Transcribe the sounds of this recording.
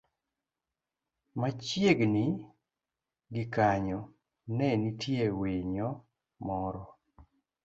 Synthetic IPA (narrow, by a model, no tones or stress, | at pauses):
mat͡ʃjeɡni | ɡɪkaɲɔ | nɛnitjewiɲɔ | mɔɾɔ